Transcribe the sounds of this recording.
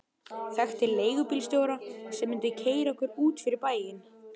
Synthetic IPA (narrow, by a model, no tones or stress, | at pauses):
θɛxt̪ɪleːjɣʏpiːlst̪joːwɾasɛmːʏnt̪ʏcʰeːjɾaɛhkʏɾuːt̪fɪɾɪɾpaːjɪn